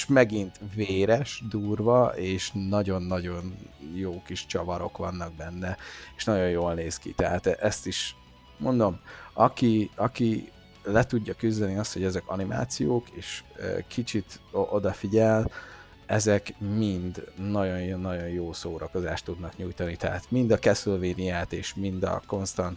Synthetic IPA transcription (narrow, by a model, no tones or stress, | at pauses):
ʃmɛɡint̪veːɾɛʃd̪uːrvɒʔeːʃnɒɟo̞nːɒɟo̞njoːkiʃt͡ʃɒvɒɾo̞kʋɒnːɒɡ̚bɛnːɛeːʃnɒɟo̞jjoːlneːskḭt̪ɛɦaːt̪ʔɛst̪iʃ | mo̞nd̪o̞mɒkiɒki | lɛt̪uɟːɒkyzd̪ɛniɒst̪ho̞ɟɛzɛkɒ̰nimʔa̰ːt̪sijoːkeːʃːkʰit͡ʃit̪ʔo̞d̪ɒfiɟɛl | ɛzɛkmind̪nɒɟo̞njjnːɒɟo̞njjoːsoːɾɒko̞zaːʃt̪ːud̪nɒkɲujt̪ɒnit̪ɛɦa̰ːt̪mind̪ɒkɛsolveːnijaːt̪eːʃmind̪ɒ̰ko̞nst̪ɒnt̪